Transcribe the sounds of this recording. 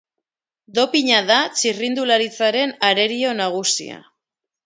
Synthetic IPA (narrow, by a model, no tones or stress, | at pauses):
d̪o̞piɲaðat͡ʃirind̪ulaɾit͡saɾe̞naɾe̞ɾio̞naɣ̞usḭa̰